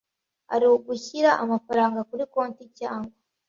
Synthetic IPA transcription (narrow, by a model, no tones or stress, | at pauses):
ha̰ɾiwoɡuçiɾaʔamafaɾaːŋɡakuɾiko̞ːnticaːŋɡwa